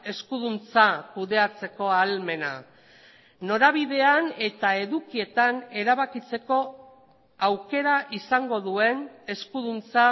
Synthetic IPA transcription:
e̞skuðunt͡sakuðe̞at͡se̞ko̞alme̞na̰ | no̞ɾaβiðe̞ane̞t̪ae̞ðukie̞t̪ane̞ɾaβakit͡se̞ko̞ | awke̞ɾaʔisaŋɡo̞ðue̞ne̞skuðunt͡sa

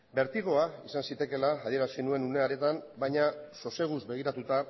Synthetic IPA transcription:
be̞ɾt̪iɣ̞o̞aisansit̪e̞ke̞laːðie̞ɾasinue̞nune̞aɾe̞t̪ambajɲaso̞se̞ɣ̞uzbe̞ɣ̞iɾat̪ut̪a

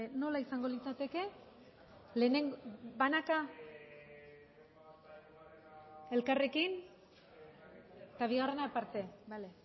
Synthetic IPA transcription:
no̞laisaŋɡo̞lit͡sat̪e̞ke̞ | le̞neŋɡbanaka | e̞lkare̞kin | t̪aβ̞iɣare̞napaɾt̪e̞bale

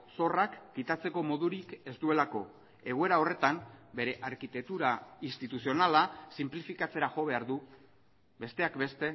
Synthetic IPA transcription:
so̞rakːit̪at͡se̞ko̞mo̞ðuɾike̞zd̪ue̞lako̞ | e̞ɣ̞oe̞ɾao̞re̞t̪ambe̞ɾe̞ʔaɾkit̪ek̚t̪uɾainst̪it̪usio̞nalasimplifikat͡se̞ɾaʝo̞βe̞aɾðu | be̞st̪e̞akbe̞st̪e̞

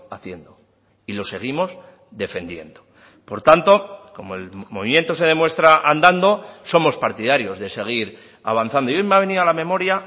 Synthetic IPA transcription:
aθje̞nd̪o̞ | ilo̞se̞ɣ̞imo̞z | ðe̞fe̞nd̪je̞nd̪o̞ | po̞ɾt̪ant̪o̞ko̞moelmo̞βimje̞nt̪o̞se̞ð̞e̞mwe̞st̪ɾaʔand̪and̪o̞so̞mo̞spaɾt̪iðaɾjo̞zðe̞se̞ɣ̞iɾ | a̰β̞anθand̪ojomeaβe̞niðalamẽ̞mo̞ɾja

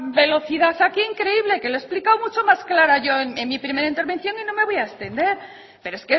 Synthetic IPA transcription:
be̞lo̞θiðaθakiiŋkɾe̞iβle̞ke̞loesplikawmut͡ʃomasklaɾaʝo̞eneŋmipɾime̞ɾaint̪e̞ɾβe̞nθjo̞ŋino̞me̞β̞ojaest̪e̞nd̪e̞ɾ | peɾoeske

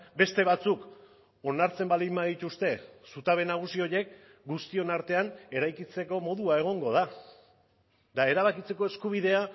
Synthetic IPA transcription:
be̞st̪e̞βat͡suk | o̞naɾt͡se̞mbalimːaðit̪ust̪e̞sut̪aβe̞naɣ̞usio̞je̞k̚ | ɡust̪io̞naɾt̪e̞ane̞ɾajkit͡se̞ko̞mo̞ðuae̞ɣ̞o̞ŋɡo̞ð̞a | d̪ae̞ɾaβ̞akit͡se̞koe̞skuβ̞iðe̞a

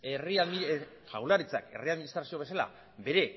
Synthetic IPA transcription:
eriaði | ʝaɣulaɾit͡sa̰ke̞̰riaðminist̪ɾasio̞βe̞sala̰ | be̞ɾe̞

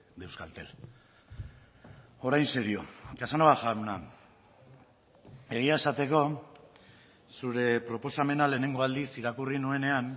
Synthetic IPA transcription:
d̪e̞wskalt̪e̞l | o̞ɾajnseɾiokasanoβaʝaɾuna̰ | e̞ɣiae̞sat̪e̞ko̞ | suɾe̞pɾo̞po̞same̞nale̞ːne̞ŋɡo̞ald̪isiɾakurinue̞ne̞an

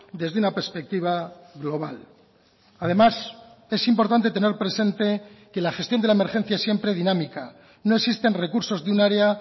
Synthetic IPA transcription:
d̪e̞zðunapeɾspe̞k̚t̪iβ̞aɣlo̞β̞a̰l | að̞e̞mase̞simpo̞ɾt̪ant̪e̞t̪ene̞ɾpɾe̞se̞nt̪e̞ke̞laxe̞st̪jo̞nd̪elaemeɾxe̞n̟θjaesːje̞mpɾe̞ð̞inãmika | no̞eksist̪e̞nre̞kuɾso̞zðunaɾea

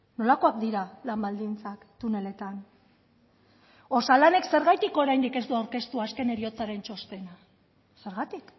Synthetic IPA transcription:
no̞lako̞ak̚d̪iɾalambald̪int͡sakt̪une̞le̞t̪an | o̞salane̞kse̞ɾɣajt̪iko̞ɾajnd̪ike̞zd̪uawɾke̞st̪uaske̞ne̞ɾio̞t͡saɾe̞nt͡ʃo̞st̪e̞na | se̞ɾɣat̪ik

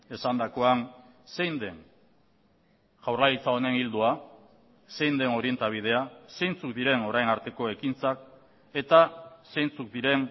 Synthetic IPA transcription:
e̞sand̪ako̞an | se̞jnd̪e̞ŋ | ʝawrlalit͡sao̞ne̞ŋild̪ua | se̞jnd̪e̞no̞ɾie̞nt̪aβ̞ið̞e̞ase̞jnt͡sukd̪iɾe̞no̞ɾajnaɾt̪e̞ko̞e̞kint͡sak | e̞t̪ase̞jnt͡suk̚d̪iɾe̞n

